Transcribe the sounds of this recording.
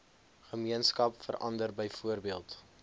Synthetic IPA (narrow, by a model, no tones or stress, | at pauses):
χəmiənskɐpfə̰rʔɐ̰ndərbəjfuərbiəlˠt